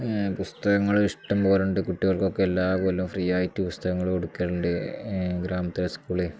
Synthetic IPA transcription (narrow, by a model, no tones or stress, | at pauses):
pust̪ɐɣɐŋːɐɭiʂʈɐmpoːɾuɳɖɨkuʈːiɣɐɭko̞kːeelːaːpoːlumfrijaːjtːipust̪ɐɣɐŋːɐɭoɽukːeɾuɳɖɨɡɾaːmɐt̪ːɐlɐskuːɭe